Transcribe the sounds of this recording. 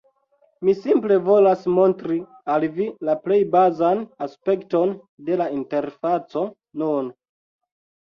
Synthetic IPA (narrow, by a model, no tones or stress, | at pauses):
misimple̞vo̞lasmo̞ntɾi | alvilaple̞jbazanaspe̞kto̞n | de̞lainte̞ɾfat͡so̞ | nun